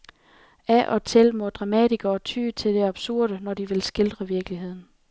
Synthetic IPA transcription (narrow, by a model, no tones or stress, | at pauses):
ʔæʔɒ̽t͡sʰelmɔd̥ʁɑ̈mɛd̥iɡ̥ɐːt͡sʰy̰ːt͡sʰe̝ld̥e̝ɑ̈b̥suɐ̰ɾ̥ənɒd̥iʋe̝lsɡ̥e̝ld̥ʁɐʋiɐɡ̥əliɦe̝ð̰ˠn̩